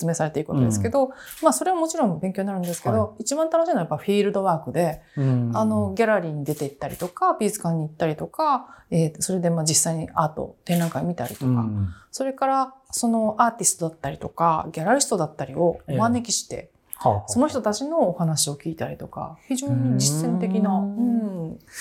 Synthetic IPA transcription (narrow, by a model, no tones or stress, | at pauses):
st͡sɨme̞ːsaɾe̞t̪e̞iɾɯkot̪od̪eske̞d̪o̞ | maːso̞ɾe̞βamo̞t͡ɕiɾõ̞mbẽ̞ŋkʲoɲinaɾɯ̟nd̪e̞sɨ̥ked̪o̞it͡ɕibãnt̪anoɕiːnojapːaiɸʲiːɾɯ̟d̪o̞βaːkɯ̟d̪e̞ano̞ɡʲaɾaɾʲiːɲ̟id̪e̞t̪e̞it̪ːaɾʲḭt̪o̞kabʲiːzɨ̥kãɲ̟ːiːt̪ːaɾʲit̪o̞kaeso̞ɾe̞d̪e̞maːd͡ʑisːaiɲ̟iaːt̪o̞̰t̪ẽ̞nɾãŋkaiomʲit̪aɾʲḭt̪o̞ka̰so̞ɾe̞kaɾaso̞no̞ʔaːt̪ʲisɨ̥t̪o̞d̪at̪ːaɾʲit̪o̞kaɡʲaɾaɾʲisɨ̥t̪o̞d̪at̪ːaɾʲio̞omane̞kʲi̥ɕi̥t̪e̞̰ | so̞no̞çi̥t̪o̞t̪at͡ɕino̞ːhanaɕio̞kʲiːt̪aɾʲit̪o̞ka̰çiʑo̞ːɲ̟id͡ʑisːẽ̞nt̪e̞kʲinaɯ̟̃ː